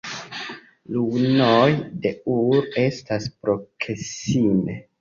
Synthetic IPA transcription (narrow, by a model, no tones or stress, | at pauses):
lunojde̞uɾe̞staspɾo̞kʰesime